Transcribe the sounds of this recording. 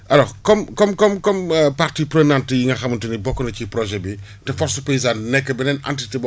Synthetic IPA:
ɐlɔkɔmkɔmkɔmkɔmpartiːpɾenantijiŋɡɐxɐmuntinibɔkːɔnɐcipɾɔʒɛbi | tɛfɔɾsupes̬anɛkːɐbɛnɛna̰ntitib

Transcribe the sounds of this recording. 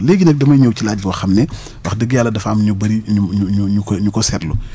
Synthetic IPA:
lɛːɡinɐk̚dɐmɐjɲɔwcilaːɟ̚buwɐxɐmnɛ | wɐxdəɡːjalːɐdɐfamɲubɐɾiuuɲuɲukɲukɔsɛrlu

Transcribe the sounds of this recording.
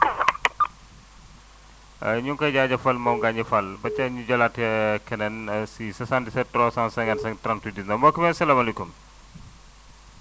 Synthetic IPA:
ɲuŋkɐɟaɟɐfɐlmɔmɡaɲɐfɐlbɐt͡ʃːɐɲuɟɔlatɛkɐnɛnsisɐsandisɛtɾɔsansɐŋɐnsɐŋtɾantudisnɐmɐkːumɛsɐlaːmɐlekum

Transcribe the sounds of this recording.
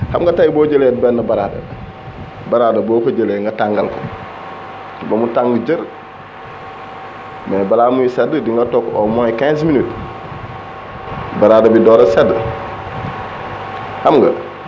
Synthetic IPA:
hamɡɐtajboːɟəlet̚bɛnːɐbaɾaːdɐ̰ | baɾaːdɐbokoɟəleŋɡɐtaŋɡa̰lko̰ | bomutaŋɡəd͡ʒəɾ | mɛbalamujisɛdːədiŋɡatokomokɛ̃sminut | baɾaːdɐbidɔːɾasɛdə | hamɡɐ̰

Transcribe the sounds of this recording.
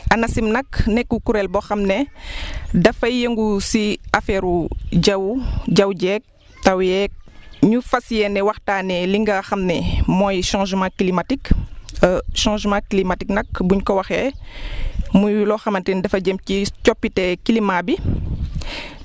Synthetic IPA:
ɐnɐsimnɐknɛkːukuɾɛlbɔxɐmnɛ | dɐfɐjeŋɡusiafɛɾuɟɐwɟɐwɟɛk̚ | tɐwjɛk̚ɲufɐsijɛnɛwɐxtaːnɛliŋɡɐxɐmnɛmɔːjʃãːʒmãkilimatik | ʃãːʒmãːklimatiknɐk̚buɲkɔwɐxɛ | mujlɔxɐmɐntɛndɐfɐɟəmcicɔpːitɛkilimãːbi

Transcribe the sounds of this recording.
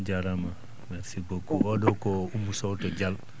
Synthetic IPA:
d͡ʒaɾama | mɛɾsiɡokuɔdɔkɔumusɔutɔd͡ʒal

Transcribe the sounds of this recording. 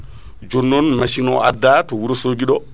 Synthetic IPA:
d͡ʒɔnːɔnmaʃinɔ̰ʔa̰dːatɔwuɾɔsoːɡiɗɔ

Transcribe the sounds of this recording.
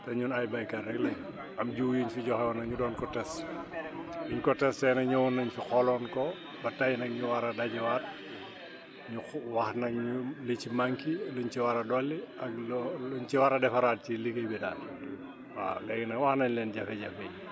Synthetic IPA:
tɐɲunajbɐjkɐrɛɡlɛ | ɐmɟuːjiɲfiɟɔxɛwɐnɐɲudɔːnkɔtɛs | iɲkɔtɛstɛnɐɲuwunːɐɲfixɔlɔːnkɔ | bɐtajnɐk̚ɲuwaɾɐdɐɟwaːt̚ | ɲuwaxnɐkɲulit͡ʃimaŋkiluɲt͡ʃiwaɾɐdɔlːiɐklluɲt͡ʃiwaɾɐdɛfɐɾaːt̚ciliɡɐjbida̰ːn | wa̰lɛɡnɐwaxnɐɲlɛnɟɐfɛɟɐfɛj

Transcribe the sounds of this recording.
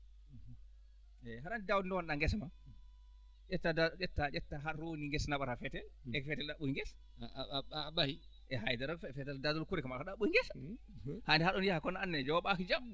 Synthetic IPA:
ɛɦaɾandidawdindɔwanɗaŋɡɛsma | d͡ʒɛtːadad͡ʒɛtːad͡ʒɛtːaɦaɾoniŋɡɛsnaɓaɾafɛtɛlɛfɛtɛlɗaɓuiŋɡɛs | abahi | ʔɛɦajdaɾɔfɛfɛtɛldadɔlkuɾɛkamakaɗaɓuiŋɡɛs | handɛhaɗɔnjahakɔnaanːɛd͡ʒɔwɓakid͡ʒam

